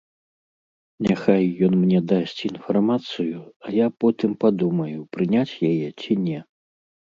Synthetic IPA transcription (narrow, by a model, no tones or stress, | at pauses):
nʲaxajːɔnmnʲɛd̪asʲt͡sʲinfarmat̪sɨjuajapɔt̪ɨmpad̪umɐjupɾɨnʲat͡sʲjajɛt͡sʲinʲɛ